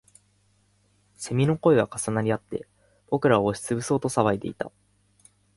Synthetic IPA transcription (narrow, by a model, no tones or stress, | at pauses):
se̞mʲino̞ko̞eβakasanaɾʲiat̪ːe̞ | b̥o̞kɯ̟ɾaoːɕi̥t͡sɨbɯ̟so̞ːt̪o̞saβaid̪e̞̰it̪a̰